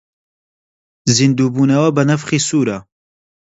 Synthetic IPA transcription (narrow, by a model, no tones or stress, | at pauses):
zind̪uːbuːnɐwɐbɐnɐfχiːsuːɾɐ